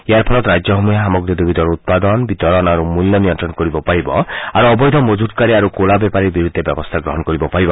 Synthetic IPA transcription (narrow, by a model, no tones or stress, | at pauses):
ejaɾpʰɔlɔt̪ɾad͡ʒjɔɦɔmujaɦamɔɡɾid̪ubid̪ɔɾut̪̚pad̪ɔnbit̪ɔɾɔnaɾumuljɔmijɔnt̪ɾɔnkɔɾibɔpaɾibɔaɾuɔbɔjd̪ʱɔmod͡ʒut̪̚kaɾiaɾukolabɛpaɾiɾbiɾud̪ʱːebjɔbɔst̪ʰaɡɾɔɦɔnkɔɾibɔpaɽibɔ